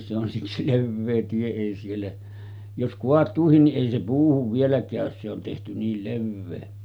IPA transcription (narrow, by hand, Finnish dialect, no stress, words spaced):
se on siksi leʋːeː tie ei sielːæ jos koɑtˑuːhin niʔ ʔeˑi se puːhuʋ ʋielæ kæˑøs se on tehty niːl leʋːeː